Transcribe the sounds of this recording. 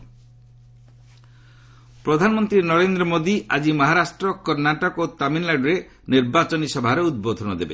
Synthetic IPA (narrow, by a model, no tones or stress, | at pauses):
pɾɔd̪ʱanɔmɔnt̪ɾinɔɾend̪ɾɔmod̪iad͡ʒimɔɦaɾasʈɾɔkɔɾnaʈɔkot̪aminlaɖɔɾe | niɾbat͡ʃɔnisɔbʱaɾeud̪̚bod̪ʱɔnɔd̪ebe